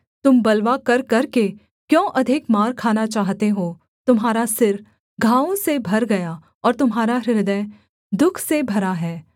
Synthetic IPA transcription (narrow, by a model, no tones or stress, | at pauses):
t̪ʊmbɐlʋakɐɾkɐɾke | kjõːʔɐd̪ʱɪkmaːɾkʰaːnat͡ʃaːɦt̪eɦoː | t̪ʊmɦaːɾasɪɾ | ɡʱãːõsebʱɐɾɡɐja | ɔːɾt̪ʊmɦaːɾaɾɪɾɪd̪ə̃ | d̪ʊkʰsebʱɐɾaɦɛː